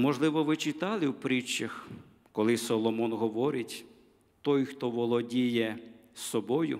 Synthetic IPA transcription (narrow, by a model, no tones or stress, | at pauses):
mɔʒlˠɪʋɔʋɪt͡ʃɪt̪ɑlˠɪwpɾit͡ʃːɐx | kɔlˠɪsɔlˠɔmɔnɦɔʋɔɾɪtʲ | t̪ɔjxt̪ɔʋɔlˠɔdʲijɛsɔbɔjʊ̰